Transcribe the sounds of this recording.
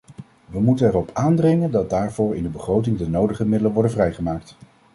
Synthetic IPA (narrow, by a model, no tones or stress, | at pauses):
ʋəmutənɛrɔpaːndrɪŋəndɑd̚daːɹvʊːɹɪndəbəχrowt̬ɪŋdənowdəχəmɪdələnʋɔɹdəvrɛjχəmaːk̚t